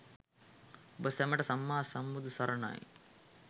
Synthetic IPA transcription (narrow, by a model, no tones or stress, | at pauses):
bɐsɛmɐʈɐsɐmːaːsɐmːud̪usɐɾɐɳa̰ːj